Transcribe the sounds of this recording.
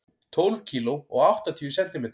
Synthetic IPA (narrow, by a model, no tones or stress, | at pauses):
t̪ʰowlv̥cʰiːloɔ̰ɣawht̪at̪ʰiʏsɛnt̪ɪmɪ